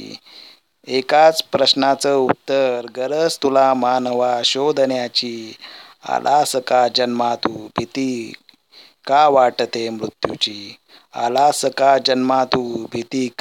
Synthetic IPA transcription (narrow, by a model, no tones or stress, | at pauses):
ekat͡spɾəɕnat͡səut̪ːəɾɡəɾət͡st̪ulamanəʋaɕod̪ʱnjat͡ɕiː | a̰lʔasəkad͡ʑənmat̪uːbʱit̪i | kaʋaʈət̪emɾut̪jṵt͡ɕiː | a̰lasəkad͡ʑənmat̪ubʱit̪iːk